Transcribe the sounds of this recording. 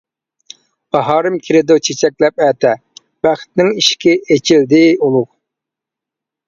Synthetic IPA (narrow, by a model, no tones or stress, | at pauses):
b̥ɑɦɑːɾɨmkʲʰiɾɪd̪ot͡ʃʰet͡ʃʰɛkʲlɛp̚ɛːt̪ʰɛ | b̥æχt̪nɪŋiʃkʲɪet͡ʃʰild̪ɪulˠʊq